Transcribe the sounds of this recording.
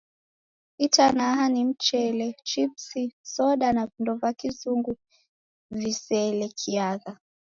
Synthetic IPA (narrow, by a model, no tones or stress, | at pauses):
itanaɦanim̩t͡ʃɛlɛt͡ʃipsisɔɗanakundɔvakizuŋɡu | visɛlɛkʰiaða